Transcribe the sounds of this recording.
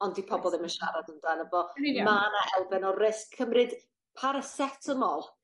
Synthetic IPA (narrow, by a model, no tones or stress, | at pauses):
ɔndipʰɔbɔlˠɪmənʃaɾadəmd̥anəvɔmanaʔɛlˠbɛnɔrɪskʰːəmrɨd̥ | pʰaɾəsɛtʰəmɔlˠ